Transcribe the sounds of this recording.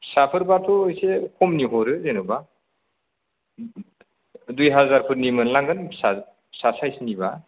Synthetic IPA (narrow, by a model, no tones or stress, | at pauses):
sapʰɯɾbatʰɔːjsekʰɔmniɦɔɾɯzenɔba | dujɦazaɾpʰɯɾnimɯnlaŋɡɯnsa | sasajsniba